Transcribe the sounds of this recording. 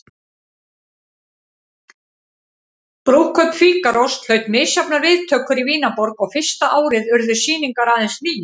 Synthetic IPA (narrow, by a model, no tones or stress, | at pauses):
pɾowkʰœt̪fiːkaɾɔwst̪l̥œːɥt̪mɪːsjapnaɾvɪðt̪ʰœːkʏɾiviːnapɔɾkɔɣfɪr̥st̪aʔaːwɾɪðʏɾðʏ̥siːniŋkaɾaːðɛnsliːj